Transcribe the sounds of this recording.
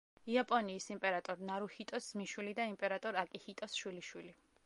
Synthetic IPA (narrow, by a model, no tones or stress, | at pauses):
iapʼɔniːsimpʼɛɾat̪ʼɔɾnaɾuhit̪ʼɔsz̥miʃwilid̪aimpʼɛɾat̪ʼɔɾakʼihit̪ʼɔsʃwiliʃwili